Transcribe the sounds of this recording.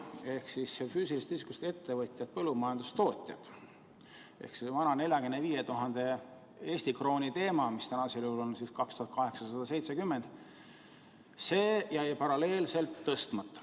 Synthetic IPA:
e̞hksisfyːsilist̪iskust̪e̞t̪ːe̞vɤt̪ʲˑjɑt̪̚pɤlːumɑjɑnd̪ust̪o̞ːt̪ʲˑjɑ̰t̪ | ḛhksivɑnɑne̞ljɑɡenːeviːjet̪uɦɑnd̪̥e | e̞ːsʲt̪ikro̞ːnʲit̪e̞ːmɑmist̪ænɑseljuulonsiskɑkst̪uhɑt̪̚kɑɦe̞ksɑsɑd̪̥ɑse̞jt̪se̞kymːend̪̥ | se̞ːjæjpɑɾɑle̞ːlse̞lt̪ːɤst̪mɑt̪ˑːɑ̥

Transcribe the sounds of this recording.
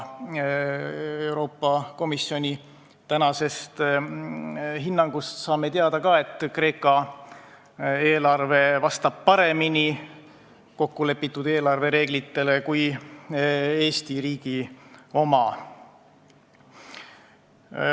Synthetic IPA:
ewɾo̞ːpːɑko̞misjo̞nʲi | t̪ænɑse̞st̪ | ɦinːɑŋɡ̥ust̪sɑːme̞t̪eɑd̪ɑkɑe̞t̪ːkre̞ːkːˑɑ | e̞ːlɑrve̞vɑst̪ɑb̥̚pɑɾe̞mini | ko̞kːule̞pːit̪ːˑud̪e̞ːlɑrve̞ɾe̞ːɡ̥lit̪ːe̞le̞kuj | e̞ːst̪iɾiːɡ̥io̞mɑ

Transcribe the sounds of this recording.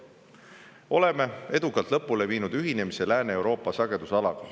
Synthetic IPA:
ʔo̞le̞me̞e̞d̪ukːˑɑlt̪lɤpːˑule̞viːnud̪̥yɦine̞mise̞læːneewɾo̞ːpːˑɑsɑɡ̥e̞d̪̥usɑlɑɡ̥ɑ

